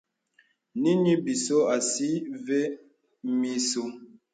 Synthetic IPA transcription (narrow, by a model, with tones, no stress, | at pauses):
ni˦ni˦bi˨so˦a˨si˦ve˦ | mi˦so˦